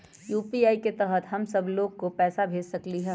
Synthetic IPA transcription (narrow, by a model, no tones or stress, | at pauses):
juːpiaːiket̪ɛɦət̪ɦɐmsɐbloːɡkopɛːsabʱeːd͡ʒsɐkliɦɛ̃ː